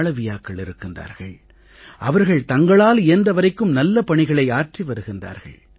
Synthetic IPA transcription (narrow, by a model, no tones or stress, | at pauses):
ɭɐʋɪjaːkːɐɭɪɾɯkːɯnd̪a̰ːɾɣɐ̰ɭ | ʔɐʋɐɾɣɐɭt̪ɐŋɡɐɭaːlɪjɐnd̪ɐʋɐɾɐɪkːɯmnɐlːɐpɐɳɪɣɐɭɐɪaːrʈriʋɐɾɯɣɪnd̪a̰ːɾɣɐ̰ɭ